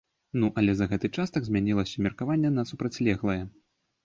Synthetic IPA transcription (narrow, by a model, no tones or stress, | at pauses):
nuʔɐlʲɛzɐɣɛt̪ɨt͡ʂast̪ɐɡzʲmʲanʲilˠɐsʲɐmʲɛrkavanʲːɛnɐsupɾɐt͡sʲlʲɛɣlˠɐjɛ